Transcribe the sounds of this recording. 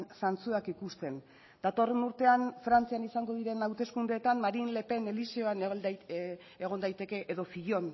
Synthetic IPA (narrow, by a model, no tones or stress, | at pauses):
nsant͡suakikust̪e̞n | d̪̥at̪o̞re̞nuɾt̪e̞anfɾant͡sianisaŋɡo̞ðiɾe̞nawt̪e̞skund̪e̞ːt̪anmaɾinle̞pe̞ne̞lisioan | eɣ̞o̞nd̪ajt̪e̞ke̞ʔeðo̞fiʎo̞n